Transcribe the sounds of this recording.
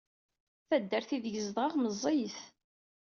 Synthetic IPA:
θæd̪ːəɾθiðʝəzðʁʁməzˤːijəθ

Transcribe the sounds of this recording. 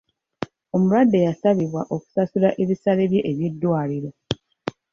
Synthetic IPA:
o̞muɾwadːe̞jasaβiβwaʔo̞ku̥sasulaʔe̞βisale̞βje̞ʔeβje̞dːwaːliɾo̞

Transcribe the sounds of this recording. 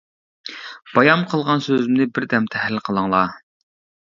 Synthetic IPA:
b̥ɑjɑmqʰəlˠʁɑnsøzzɪmnɪbɪɾd̪ɛmt̪ʰɛhlɪlqʰəlˠəŋlˠɑ

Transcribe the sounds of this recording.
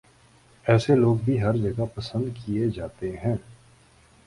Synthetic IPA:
ɛːseloːɡbʱiɦɐɾd͡ʒɐɡapɐsə̃nd̪kied͡ʒaːt̪eɦɛ̃ː

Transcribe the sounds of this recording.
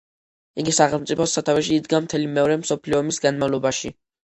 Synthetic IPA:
iɡisaχɛlˠmt̪sʼipʰɔsat̪ʰavɛʃiːd̪ɡamt̪ʰɛlimɛɔɾɛmsɔpʰliɔmisɡanmavlˠɔbaʃi

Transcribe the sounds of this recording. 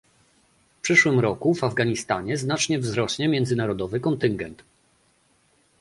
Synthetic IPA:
fpʂɘʂwɘmɾɔkuvavɡaɲist̪a̰ɲɛznat͡ʂɲɛvzɾɔɕɲɛmʲjɛnd̪zɘnaɾɔd̪ɔvɘkɔnt̪ɘŋɡɛnt̪

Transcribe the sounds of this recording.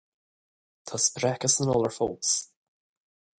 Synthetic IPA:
t̪ʰaspɾɛkəsənɔːlˠəɹfɔlˠts

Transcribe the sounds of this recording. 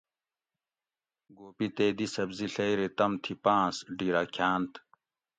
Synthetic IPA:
ɡoːpit̪eːd̪isɐbziɬɐjɾet̪ɐmt̪ʰipãːsɖiːɾaːkʰjaːnt̪

